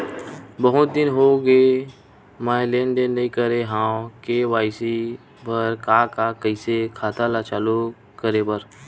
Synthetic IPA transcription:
bəɦʊt̪̚d̪ɪnɦoɡe | maːlẽːɳɖenːɐɦĩkəɾeɦãːwkeʋaːɪsi | pəɾkakakəɪsekʰaːt̪alat͡ʃaːlo | kəɾebəɾ

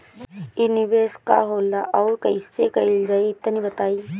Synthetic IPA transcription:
ɪnɪʋeːska̰ɦoːlːaʔɔːɾkɐisːekɐɪld͡ʒaːeɪt̪nibət̪aːiː

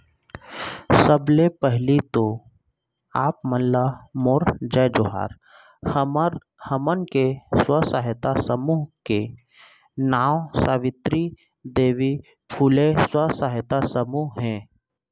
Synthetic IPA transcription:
səblepɛɦlit̪o | aːpməllamoːɾd͡ʒɛːd͡ʒoɦa̰ːɾ | həmənkeswəsaɦt̪asəmuːɦke | naːwsaːʋɪt̪ɾi | d̪eːʋi | pʰuːleswəsaɦət̪asəmuɦɦɛ̃ː

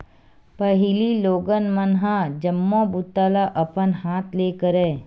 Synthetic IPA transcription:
pɐɦɪliloːɡənmənɦãd͡ʒəmːõbut̪aːlaʔɐpənɦaːt̪ʰleːkəɾɛ̃ː

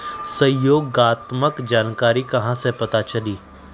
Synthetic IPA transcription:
sɐ̃joːɡaːt̪məkd͡ʒaːnkaːɾikɐɦãsepɐt̪at͡ʃɐliː

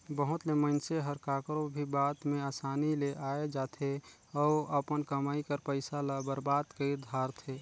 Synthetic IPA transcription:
bəɦʊt̪leməɪnseɦəɾkakɾõbʱibaːt̪meaːsaːnileʔaːed͡ʒaːt̪ʰe | ɔːəpənkəmaːikəɾpəɪsalabəɾbaːd̪kəiɾd̪ʱaːɾt̪ʰe

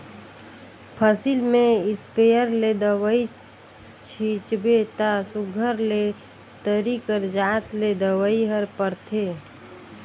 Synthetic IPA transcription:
pʰəsilmẽɪspejəɾled̪əwəi | t͡ʃʰit͡ʃbet̪asʊɡʱəɾle | t̪əɾikəɾd͡ʒaːt̪led̪əwəiɦəɾpəɾt̪ʰeː

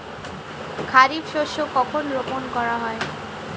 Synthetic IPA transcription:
kʰaɾikʃoʃokɔkʰonɾoponkɔɾaɦɔe

